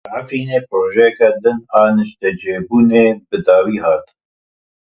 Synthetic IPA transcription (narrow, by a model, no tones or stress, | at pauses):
afiːneːpɾoːʒɛjɛkɛd̪ɨnɑːnɨʃt̪ɛd͡ʒeːbuːneːbɨd̪ɑːwiːhɑːt̪